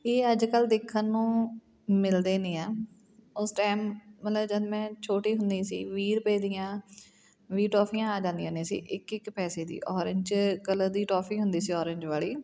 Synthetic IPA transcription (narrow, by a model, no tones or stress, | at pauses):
eːəd͡ʒkəld̪eːkʰːənːũː | mɪld̪eːnĩːãː | ʊsʈaːɪmːət̪ləbd͡ʒəd̪mɛ̃ːt͡ʃʰoːʈiːɦʊnd̪ĩːsḭːʋiːɾpeːd̪ijãː | ʋiːʈɔːpʰiːãːaːd͡ʒãːnd̪ijãnĩːsḭːʔɪkɪkpɛːseːd̪ḭːʔɔːɾɪ̃ɲd͡ʒkələd̪iːʈɔːpʰiːɦʊnd̪iːsiːɔːɾɪ̃ɲd͡ʒʋaːliː